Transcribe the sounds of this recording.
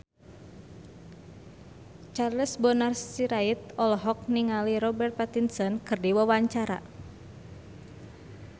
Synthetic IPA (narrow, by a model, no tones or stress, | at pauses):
t͡ʃarləsbɔnarssiɾait̪̚ɔlɔɦɔk̚niŋaliɾɔbɛrt̪̚pat̪insɔnkɨrdiwawaɲt͡ʃaɾa̰